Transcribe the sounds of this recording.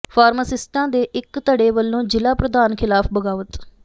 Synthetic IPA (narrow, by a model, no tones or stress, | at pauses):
pʰaːɾməsɪsʈãːd̪eːʔɪkt̪əɽeːʋəlːõːd͡ʒɪlaːpɾəd̪aːnkʰɪlaːpʰbəɡaːʋət̪